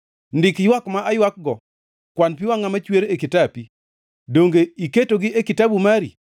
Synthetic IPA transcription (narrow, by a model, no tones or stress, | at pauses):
ndɪkjwakmaʔajwak̚ɡɔ | kwanp̬ɪwaŋamat͡ʃweɾekitapi | doŋɡeiketoɡɪʔekɪtabumaɾḭ